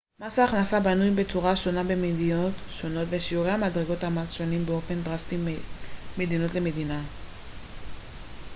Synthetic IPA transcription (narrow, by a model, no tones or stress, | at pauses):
masaːχnasabanujbe̞t͡suʁaʃo̞nabe̞medio̞tʃo̞no̞tve̞ʃiuʁeamadʁeɡo̞thamazʃo̞nimbeo̞fe̞ndʁasti | me̞dino̞tle̞me̞dina